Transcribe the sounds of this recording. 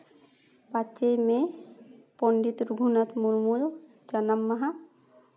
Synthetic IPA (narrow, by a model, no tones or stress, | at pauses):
pat͡ʃejme | pɔɳɖit̪ɾuɡʱunat̪muɾmul | d͡ʒanamːaɦa